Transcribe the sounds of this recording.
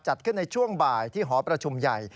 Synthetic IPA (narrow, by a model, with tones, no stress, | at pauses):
t͡ɕa˨˩t̪̚kʰɯ˥˩nːa˧jt͡ɕʰu˥˩əŋbaː˨˩jt̪ʰiː˥˩ɦɔː˩˦pɾa˧t͡ɕʰu˧mja˨˩j